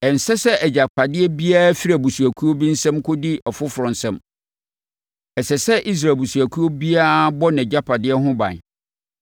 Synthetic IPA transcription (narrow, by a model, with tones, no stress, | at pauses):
ɛ̃˨n̩˨sɛ˦sɛ˦ʔɛ˨d͡ʑa˨k͡pʰa˨dɪ˦ɛ˦bi˦a˦fi˦ɾa˨bu˨su˨æ˨kʰu˦o˦bĩ˦n̩˦sɛ̃˦mkʰʊ˦di˦ʔɔ˨fʊ˦fʊ˨ɾʊ̃˨n̩˨sɛ̃˦m | ɛ˨sɛ˨sɛ˦ʔi˦s̬ɾa˨bu˨su˨æ˨kʰu˦o˦bi˦a˦bɔ˦n˨ɛ˨d͡ʑa˦pʰa˨dɪ˦ɛ˦ɦʊ̃˦bã̰˨n˨